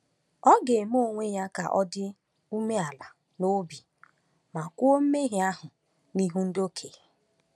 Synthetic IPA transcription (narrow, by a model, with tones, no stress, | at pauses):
ɔ˦ɡe˨mo˦˨ŋʷe˦ja˦ka˨ʔɔ˦dɪ˦ | u˦me˦a˨la˨ | no˦bi˨ | ma˨kʊ˦o˦m̩˦me˦ɦɪ˨a˦ɦʊ˨ | ni˦ɦu˦n̩˦do˦kʰe˨